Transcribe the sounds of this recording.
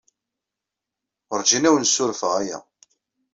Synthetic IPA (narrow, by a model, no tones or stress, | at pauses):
əɾd͡ʒinæwənsʊɾfəʁæjæ̰